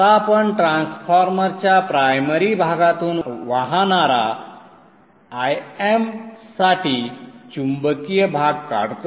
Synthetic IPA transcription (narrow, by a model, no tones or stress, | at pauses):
apəɳʈɾãnsfʰaɾməɾt͡ɕjapɾajməɾibʱaɡat̪uːnʋaɦanaɾa | jemsaʈit͡ɕumbəkijəbʱaɡ̚ka̰ɽt̪